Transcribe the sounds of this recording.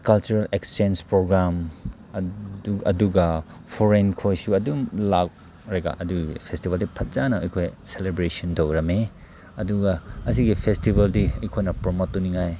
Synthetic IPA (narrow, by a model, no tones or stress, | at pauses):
kɐlt͡ʃuɾɐleksenspɾoɡɾam | ɐ̰duɡɐ | pʰoɾenkʰojsuɐdumlak̚ | ɾeɡa̰ʔɐduɡḭpʰestibɐldipʰɐt̚zanɐɐ̰jkʰojselebɾesondowɾɐme | ɐduɡɐɐsiɡipʰestibɐldiɐjkʰojnɐpɾomotːuniŋaj